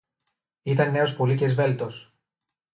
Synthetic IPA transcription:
it̪ɐnːe̞o̞spo̞licezve̞lt̪o̞s

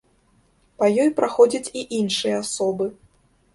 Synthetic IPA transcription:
pɐjɔjpɾʔaxɔd͡zʲɐt͡sʲiʔinʂɨjɐasɔbɨ

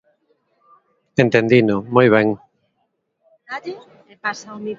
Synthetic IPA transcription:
ẽnt̪ẽnd̪inʊmojβ̞ɛ̃ŋ | naði | epasaomi

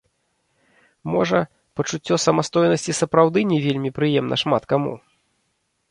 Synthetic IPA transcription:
mɔʐɐ | pɐt͡ʂut͡sʲːɔsɐmast̪ɔjnɐsʲt͡sʲisɐpɾawd̪ɨnʲɛvʲelʲmʲipɾɨjɛmnʔɐ̰ʂmat̪kamṵ

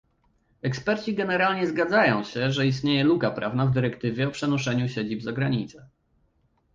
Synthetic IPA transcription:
ɛkspɛɾt͡ɕiɡɛnɛɾalɲɛzɡad̪zajɔ̃w̃ɕɛʐɛist̪ɲejɛlukapɾʔavnavd̪ɘɾɛkt̪ɘvʲjɛɔpʂɛnɔʂɛɲuɕed͡ʑibzaɡɾaɲit̪sɛ̥

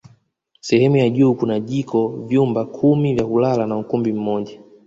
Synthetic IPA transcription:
sɛhɛmujaʄuːkunaʄikʰɔvjumbakʰumivjakulalanaukumbim̩mɔʄa

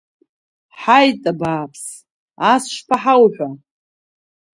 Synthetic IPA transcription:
ħajtʼabaːpʰs | asʃpʰaħawħʷᶣa

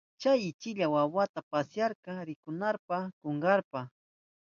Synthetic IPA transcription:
t͡ʃajɪt͡ʃɪʎawawat̪apasjaɾqɑɾɪkʊnaɾpakoɴɢɑɾpa

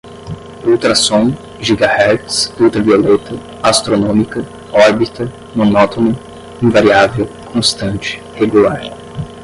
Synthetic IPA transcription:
uwt̪ɾɐsõw̃ | ʒiɡahɛtsuwt̪ɾɐviolɛt̪ɐ | ast̪ɾonõmikɐ | ɔɾbit̪ɐ | mõnɔt̪onʊ | ĩvaɾiavew | kõst̪ɐ̃nt͡ʃɪ̥heɡulaɾ

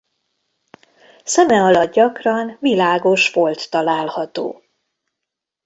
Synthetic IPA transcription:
sɛmɛɒlɒd̪̚ɟɒkrɒnvilaːɡo̞ʃʋo̞lt̪ːɒlaːlhɒt̪o̰ː

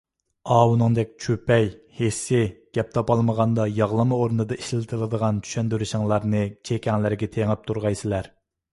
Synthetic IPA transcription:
ɑːwunɨŋd̪ɛk̚ʲt͡ʃʰøpɛj | hesːɪɡ̥ʲɛp̚t̪ʰɑpɑlˠməʁɑnd̪ɑjɑʁlˠɨmɨoɾnɨd̪ɑiʃlɪlɪt̪ʰɨlˠɨd̪əʁɑnt̪ʰy̥ʃɛnd̪yɾɪʃɪŋlˠɑɾnɨt͡ʃʰekʲʰɛŋlɪɾɡʲɛt̪ʰeŋɪp̚t̪ʰuɾʁɑjsɪlæɾ

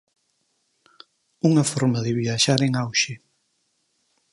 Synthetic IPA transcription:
uŋɐfɔɾmɐðɪβiaʃaɾeŋawʃe

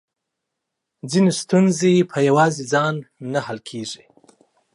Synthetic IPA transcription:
d͡zinest̪unzepʰəjawɑzed͡zɑnːahalkʰeʐi

